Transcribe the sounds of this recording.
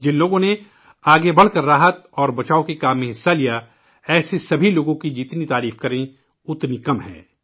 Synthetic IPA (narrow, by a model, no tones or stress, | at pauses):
d͡ʒɪ̃nloːɡõne | aːɡebɐɽ̤kɐɾːaːɦət̪̚ɔːɾbɐt͡ʃaːõkekaːmẽɦɪsːalija | ɛːsesɐbʱiloːɡõkid͡ʒiːt̪nit̪aːɾiːfkɐɾẽ | ʊt̪nikɐmɦɛ̰̃ː